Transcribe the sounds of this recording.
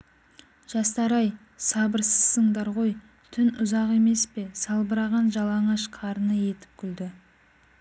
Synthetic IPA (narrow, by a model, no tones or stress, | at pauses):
ʒ̥ɑst̪ɑɾɑj | sɑbəɾsəz̥ːəɴd̪ɑɾʁo̞j | t̪ʰʏnʊzɑʁe̞me̞spe̞sɑlˠbəɾɑʁɑnʒɑlˠɑɴɑʃqʰɑɾənəje̞t̪ɪ̥p̚kʲʰʏld̪ɪ